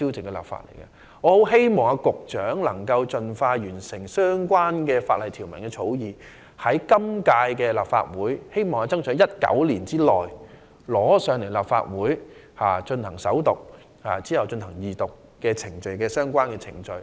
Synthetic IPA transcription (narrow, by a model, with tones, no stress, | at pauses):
i˥wt͡sɪ˨ŋkɛː˧la̰ː˨p̚fa̰ː˧t̚lḛ˨˩jkɐ̰˧ | ŋɔː˨˧ho˨˥wɦe˥jmɔː˨˩ŋaː˧kʊ˨k̚t͡ʃœː˨˥ŋlɐ˨˩ŋkɐ˧wt͡ʃɵ˧nfaː˧jyː˨˩nsɪ˨˩ŋsœː˥ŋkʷaː˥nkɛː˧faː˧t̚lɐ˨jt̪ʰiː˨˩wmɐ˨˩nkɛː˧t͡sʰo˨˥wjiː˨ | hɐ˨˥jkɐ˥mkaː˧jkɛː˧laː˨p̚fa̰ː˧t̚wuː˨˥jhe˥jmɔː˨ŋaː˧t͡sɐ˥ŋsʰœ˨˧˥ŋjɐ˥t̚kɐ̰˨˥wliː˨˩nt͡siː˥lɔ̰ː˨˩j | lɔː˨˥sœː˨˧ŋle˨˩jlaː˨p̚fa̰ː˧t̚wuː˨˥j | haː˨˩t͡ʃɵ˧nhɐ˨˩ŋsɐ̰˨˥wt̪ʊ˨k̚ | haː˨t͡siː˥jɐ˨wt͡ʃɵ˧nhɐ˨˩ŋjiː˨t̪ʊ˨kːɛː˧t͡sʰɪ˨˩ŋt͡ʃɵ˨ɥkɛː˧sœː˥ŋkʷaː˥nkɛː˧t͡sʰɪ˨˩ŋt͡ʃɵ˧ɥ